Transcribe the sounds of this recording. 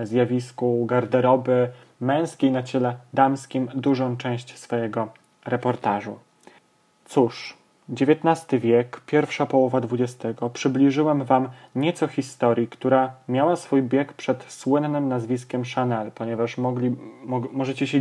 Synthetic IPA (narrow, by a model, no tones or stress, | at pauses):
zʲjavʲiskuɡaɾd̪ɛɾɔbɘ | mɛ̃w̃skʲejnat͡ɕɛlɛd̪amskʲimd̪uʐɔ̃w̃t͡ʂɛ̃w̃ɕt͡ɕsfɔjɛɡɔ | ɾɛpɔɾt̪aʐṵ | t̪suʂ | d͡ʑevʲjɛt̪nast̪ɘvʲjɛkpʲjɛɾfʂapɔwɔvad̪vud͡ʑɛst̪ɛɡɔpʂɘblʲiʐɘwamvamɲɛt̪sɔxʲist̪ɔɾʲjikt̪uɾamʲjawasfujbʲjɛkpʂɛt̪swɘnːɘmnazvʲiskʲɛmʂanɛlpɔɲɛvaʂmɔimɔʐɛt͡ɕɛɕɛ